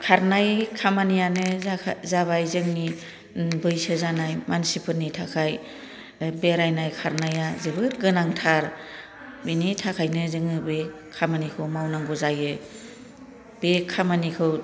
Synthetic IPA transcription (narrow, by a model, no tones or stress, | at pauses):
kʰaɾnajkʰamanijanɯzaβajzɯŋni | bɯjsɯzanajmansipʰɯnːitʰakʰaj | beɾajnajkʰaɾnajazɯbɯɾɡɯnaŋtʰaɾ | binitʰakʰajnɯzɯŋɯbekʰamanikʰɯwmawnaŋɡuzajɯ | b̥ekʰamanikʰɯw